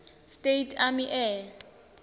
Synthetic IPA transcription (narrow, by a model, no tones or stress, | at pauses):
stʼetʰʼamiʔɛ